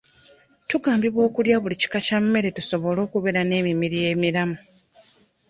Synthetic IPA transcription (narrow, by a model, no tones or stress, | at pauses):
tuɡaːmbiβwo̞ːkuljaβulici̥kacamːe̞ɾe̞tuso̞βo̞lo̞ːkuβe̞ɾane̞ːmimiɾije̞ːmiɾamu